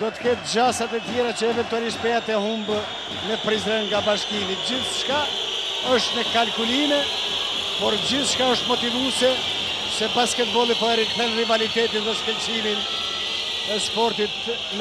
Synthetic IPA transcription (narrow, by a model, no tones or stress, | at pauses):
d̪ɔt̪ə̥kɛt̪̚d͡ʑasat̪ɛt̪jɛɾat͡ɕəɛvɛnt̪ualiʃt̪̚pɛjat̪ɛhumb | nɛpɾizɾɛnŋɡabaʃkinid͡ʑiθʃka | ɔʃt̪nɛkalkulimɛ | pɔɾd͡ʑiθʃkaəʃt̪mɔt̪ivusɛ | sɛpaskɛt̪vɔlˠipɔɛɾikθɛnrivalit̪ɛt̪inðɛskɛlsimin | ɛspɔɾt̪it̪ | n